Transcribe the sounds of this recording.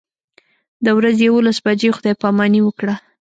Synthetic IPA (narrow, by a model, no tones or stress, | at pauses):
d̪əwɾazjawolasbad͡ʒexʊd̪ɑjpɑmɑniwəkɽa